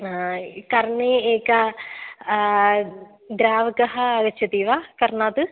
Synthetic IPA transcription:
kɐɾɐɳeːeːkɐ | d̪ɾaːʋɐkɐɦɐːɡɐt͡ʃʰːɐt̪iːʋaːkɐɾnaːt̪ɨ

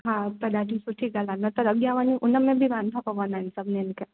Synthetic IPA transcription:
ɦãtɐd̪aːʈisuʈʰikalanɐt̪əɾɐɡjaʋaniʔʊnəmẽbʱiʋaːnt̪ʰapɐʋanaɪnsɐbnenke

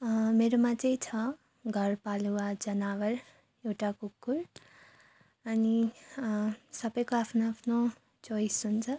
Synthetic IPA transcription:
meɾomãt͡sʌ̃ĩt͡sʰʌ | ɡʱʌɾpaluwad͡zʌnawʌɾ | ewʈakukːuɾ | ʌni | sʌbʌjkoapʰnoapʰno | t͡sojsunt͡sʰʌ

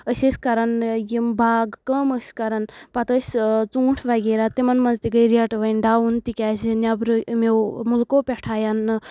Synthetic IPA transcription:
əsʲəsʲkɐɾɐnjimbʱaːɡkəməsʲkɐɾɐnpɐt̪əsʲt͡suːʈʰʋaɡeːɾat̪imɐnmɐnd͡zt̪ikəjɾeʈʋɐnɖaːunt̪ikʲaːsinʲɐbɾɨmewmulkoːpʲeʈʰaːjan

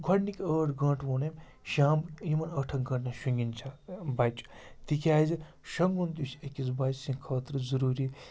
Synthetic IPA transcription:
ɡʱɐɽnikʲəːʈɡɐ̃ːʈʋoːnɐmʲ | ʃaːmjimɐnɐʈʰɐŋɡɐʈnɐʃuŋɡʲint͡ʃʰabaːt͡ʃt̪ikʰʲaːzi | ʃɐŋɡunt̪usekʲisbaːt͡ʃsĩkʰɐːt̪ɾɨzɐɾuːɾi

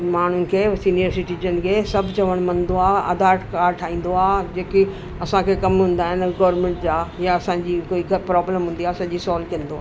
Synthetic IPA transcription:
maːn̤ʊnɪ̆kʰeːsinijəɾsɪʈid͡ʑən̆kʰeːsɐbʱt͡ɕɐʋəɽ̃mɐ̃nd̪oaːɐ̰d̪aːʈkaːɾʈʰaːɦĩːn̆d̪oaːd͡ʑeːki | ɐsãkʰekɐmɦũːn̆d̪aːɦɪnɡɐːɾmẽːɳʈd͡ʑaːjaɐsãːd͡ʑiːkoːiɡɐpɾɔːbləmɦũːn̆d̪iaːɐsãːɲ̆d͡ʑiːsɔːlkijə̃nd̪oaː

